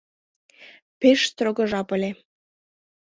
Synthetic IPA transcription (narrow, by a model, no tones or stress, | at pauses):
peʃt̪roɣə̆ʒɑpəlʲe